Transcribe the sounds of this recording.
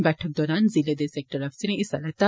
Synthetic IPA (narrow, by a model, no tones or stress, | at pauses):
bɛːʈʰək̚d̪ɔːɾaːnziled̪eseːk̚ʈəɾɐfsiɾẽʔɪsɐlɐt̪ːa